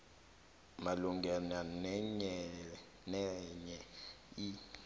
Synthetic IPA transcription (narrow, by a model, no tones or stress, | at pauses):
maluŋɡɛnanɲɛ | nɛɲɛ | i